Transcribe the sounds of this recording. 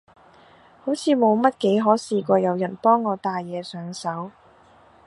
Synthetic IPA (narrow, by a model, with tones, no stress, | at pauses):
ho˨˥wt͡sʰiː˨˧mo˨˧wmɐ˥t̚ke˨˥jɦɔː˨˥siː˨kʷɔː˧jɐ˨˧wjɐ˨˩npɔː˥ŋːɔː˨˧t̪aː˨jːɛː˨˧sœː˨˥ŋsɐ˨˥w